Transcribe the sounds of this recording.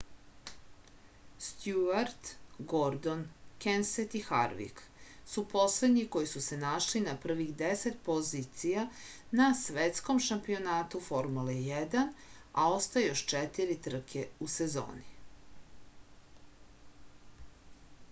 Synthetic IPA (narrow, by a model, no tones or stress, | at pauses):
st̪juaɾt̪ɡoɾd̪o̞nkenset̪ixa̰ɾʋḭksupo̞sled̪ɲiko̞jisuse̞naʃlinapr̩ʋixd̪eset̪po̞zit̪sija | nasʋet̪sko̞mʃampio̞naːt̪ufo̞ɾmulejed̪anao̞st̪aejoʃt͡ʃet̪iɾit̪r̩kʰeusezo̰ːni